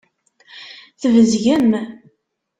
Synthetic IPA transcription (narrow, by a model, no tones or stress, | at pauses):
θəvəzʝəm